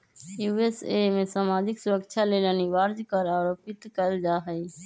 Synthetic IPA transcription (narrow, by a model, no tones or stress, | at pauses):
juesemẽsaːmaːd͡ʒɪksuɾəkt͡ʃʰaleləniʋaɾd͡ʒkəɾaːɾoːpɪt̪kəld͡ʒaɦəi